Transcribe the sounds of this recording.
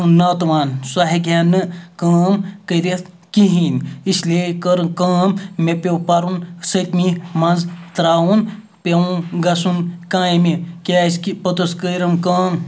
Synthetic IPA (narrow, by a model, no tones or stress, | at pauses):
nɐːt̪ʋaːnsaɦiɡʱʲjaːnːɨkɐːmkəɾe | kiɦiːnislekəɾkɐːmːepʲewpɐɾunsət̪ʲmimɐnzt̪ɾaːwun | pewũɡɐsunkãːjimekʲaːskipɐt̪ɐskəjɾɐmkɐːm